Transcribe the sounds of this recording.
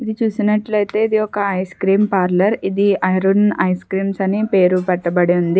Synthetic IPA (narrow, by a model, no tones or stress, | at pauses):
id̪it͡ʃuːsinɐʈlɐjt̪e̞ːid̪iɔkɐɐjskɾiːmpaːɾlɐɾid̪iɐjɾunɐjskɾiːmsɐnipe̞ːɾupɐʈːɐbɐɽeund̪i